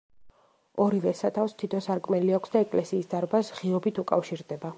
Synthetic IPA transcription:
ɔɾivɛsat̪ʰafst̪ʰit̪ʰɔsaɾkʼmɛliakʰʷsd̪aɛkʼlɛsiːsd̪aɾbasʁiɔbit̪ʰukʼafʃiɾd̪ɛba

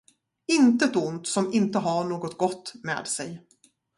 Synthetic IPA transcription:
ɪnt̪ət̪ʊnt̪sɔmɪnt̪əɦɑɳoːɡɔt̪̚ɡɔt̪ːmḛːd̪sɛj

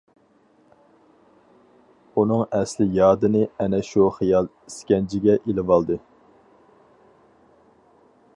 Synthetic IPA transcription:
unɨŋɛslɪjɑːd̪ɨnɨɛnɛʃuχijɑlˠ | iskʲɛnd͡ʒʰɪɡʲɛʔilɪvɑlˠd̪ɨ

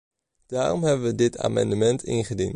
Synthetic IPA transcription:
d̥aːrɔmɦɛbənʋədɪtʰa̰ːmɑndəmɛntʰɪ̰nχədḭn

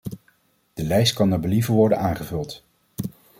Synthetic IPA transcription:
d̥əlɛjst̚kɑnəɹbəlivəɹʋɔɹdənaːŋχəvɵlˠt

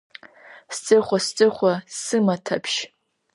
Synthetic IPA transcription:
st͡sʼɨχʷast͡sʼɨχʷasɨmatʰapʰʃ

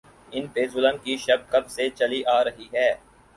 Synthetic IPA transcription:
ɪnbeːzʊləmkiʃɐb̚kɐbset͡ʃɐliʔaːɾɐɦiɦɛː

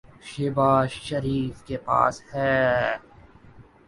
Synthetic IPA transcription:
ʃɪbaːʃʃɐɾiːfkepa̰ːshɛː

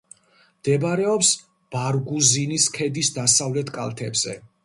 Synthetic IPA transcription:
md̪ɛbaɾɛɔps | b̥aɾɡuziniskʰɛd̪isd̪asavlɛt̪ʰkʼa̰lˠt̪ʰɛbz̥ɛ̰

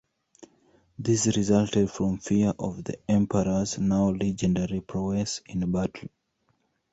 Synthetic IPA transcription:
ðisɹizaltɛd̥fɹɔ̃mfiəɹʔɔvðḭɛ̃mpʰəɹəznaʊlɛd͡ʒɛ̃ndəɹipʰɹɔɡɛsĩnbatʰl̩

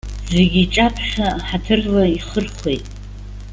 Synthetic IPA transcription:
zeɡʲiːʈ͡ʂʼapʰʃaħatʰɨrlaiχərχʷejtʼ

